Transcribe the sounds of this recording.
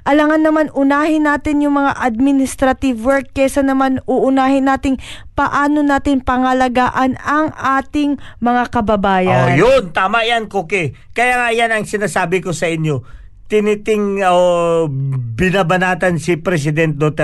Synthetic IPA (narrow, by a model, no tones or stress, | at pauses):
ʔɐlɐŋɐnːɐmanʔʊnaːhɪnːaːt̪ɪnjʊŋmɐŋa̰ʔɐd̪̚mɪnɪst̪ɾɐt̪ɪvwɛɹk̚ːɛsɐnɐmanʔʊʔʊnaːhɪnːaːt̪ɪŋpɐʔaːno̞naːt̪ɪŋpɐŋɐlɐɡaːʔɐnɐŋʔaːt̪ɪŋmɐŋakɐbɐbaːjɐonjont̪aːmɐʔjankokɛkɐjaːŋajanɐŋsɪnaːsaːbɪko̞sɐʔɪnjo̞ | t̪ɪnɪt̪ɪŋo | bɪnabɐnaːt̪ɐnsipɾɛs̬ɪd̪ɛnt̪̚d̪ot̪ɛ